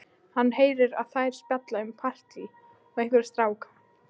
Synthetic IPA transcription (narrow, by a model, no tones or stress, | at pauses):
hanːɦeːjɾɪɾa̰ðθajɾ̥spɛt̪laʏmpʰar̥t̪li | ɔɣejhkvɪɾ̥st̪ɾaːwkḁ